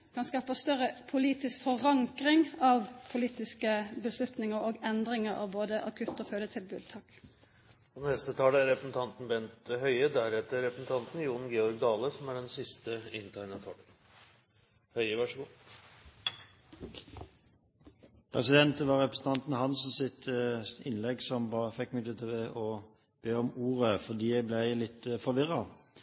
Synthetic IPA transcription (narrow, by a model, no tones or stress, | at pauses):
kʰɑnskɑːpəst̪œʁəpʰʊliːt̪ɪskfɔʁɑŋkʁɪŋɑʋpʰʊliːt̪ɪskəbəslʉt̪nɪŋəɾoːɡɛnd̪ʁɪŋəɾɑ̰ʋboːd̪əʔɑ̰kʰʉt̪ːoføːd̪ət̪ʰɪlbʉd̪̚t̪ʰɑːk | pɔnɛst̪ət̪ʰɑːləæɾɛpɾəsn̩t̪ʰɑnt̪n̩bɛnt̪hœʏəd̪æɾɛt̪ːəɾɛpəsnt̪ʰɑnt̪n̩juːɳn̩ɡeːɔɾɡd̪ɑːləsɔmæɖɛnsɪst̪əɪnt̪ʰæɪnət̪ʰɑːlə | hœʏəʋɑʂɡuː | pʰʁɛsɪd̪ɛnt̪əʋɑʁɛpɾəsn̩t̪ʰɑnt̪n̩hɑnsn̩sɪt̪əɪnlɛɡsɔmbɑːəfɛkːmɪd̪ət̪ʰɪʔɔ | b̥eːɔmuːʁəfɔʁd̪iːæɪblæɪlɪt̪ːəfɔʋɪʁɑ